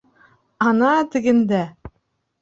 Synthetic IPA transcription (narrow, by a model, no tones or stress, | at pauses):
ɑnɑt̪ɘ̆ɡɘ̆nd̪æ